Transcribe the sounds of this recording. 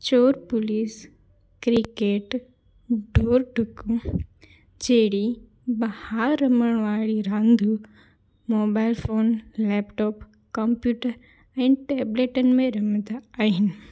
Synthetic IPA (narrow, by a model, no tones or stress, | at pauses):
t͡ɕoːɾpʊliːs | kɾikeːʈ | ɖʱoːɾɖʱʊku | d͡ʑeːɽi | bɐhaɾɾɐməɽ̃ʋaːɭiɾãːnd̪ʱu | moːbaːɪlfoːnlɛːpʈoːp | kɐ̃mpjuːʈəɾ | ɛ̃ːʈeːbleːʈənɪ̆mẽɾɐmət̪ʰaaːɦɪnɪ